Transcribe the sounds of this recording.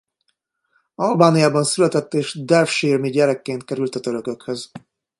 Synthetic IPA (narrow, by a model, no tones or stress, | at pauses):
ɒlbaːnijaːbɒnsylɛt̪ɛt̪ːeːʃd̪ɛlfʃirmiɟɛɾɛkːeːnt̪̚kɛɾylt̪ɒt̪øɾøkø̞khøz